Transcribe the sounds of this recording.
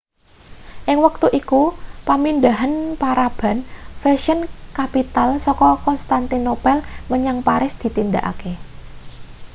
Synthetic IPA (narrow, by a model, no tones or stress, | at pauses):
ʔɪŋwək̚t̪uʔikupamind̪aɦanpaɾab̥a̤nfɛʃənkapit̪alsɔkɔkɔnst̪ant̪inopɛlməɲaŋpaɾɪsd̪̥i̤t̪ind̪aʔa̰ke